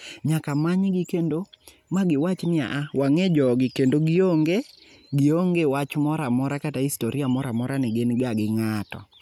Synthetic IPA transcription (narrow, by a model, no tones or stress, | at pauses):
ɲakamaɲɡɪkendo | maɡɪwat͡ʃnɪa̰ʔawaŋed͡ʒɔɡɪkendoɡɪoŋɡe | ɡɪoŋɡewat͡ʃmɔɾamɔɾakataistoɾiamɔɾamɔɾanɪɡenɡaɡɪŋatɔ̰